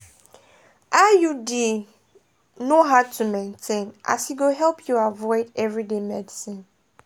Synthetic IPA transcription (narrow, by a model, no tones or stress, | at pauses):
ʔajudi | noɦaʊtʰumẽntʰẽnʔa̰siɡoɦɛlpʰjuavɔɪdɛvɹidemɛdisĩn